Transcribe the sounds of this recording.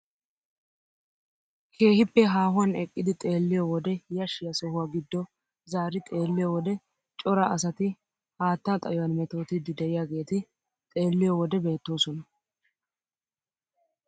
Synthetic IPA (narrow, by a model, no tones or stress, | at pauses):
kʰe̞ːhɪpːɛɦaːhʊwɐnɛkʼːɪd̪ɪt̪ʼe̞ːlːɪjɔwɔd̪ɛjɐʃɪjɐsɔhʊwaːɡɪd̪ːɔ | zaːɾɪt̪ʼe̞ːlːɪjɔwɔd̪ɛ | t͡ʃʼɔɾɐʔɐsɐt̪ɪ | haːt̪ːat̪ʼɐ̰jɔwɐnmɛt̪o̞ːt̪ɪd̪ːɪd̪ɛɪjaɡe̞ːt̪ɪ | t̪ʼe̞ːlːɪjɔwɔd̪ɛbe̞ːt̪ːoːsɔnɐ